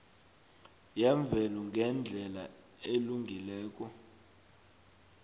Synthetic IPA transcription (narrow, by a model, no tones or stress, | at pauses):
jɛɱb̪vʱɛluŋɡʱɛnd͡ɮʱɛla̰ | eluŋɡʱilɛːk̬ʼɔ